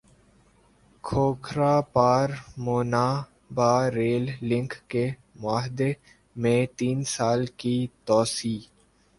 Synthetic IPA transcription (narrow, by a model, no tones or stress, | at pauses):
kʰoːkʰɾaːpaːɾmoːnaː | baːɾeːlːɪ̃ŋkke | mʊaːɦɪd̪e | mẽt̪iːnsaːlkit̪ɔːsiː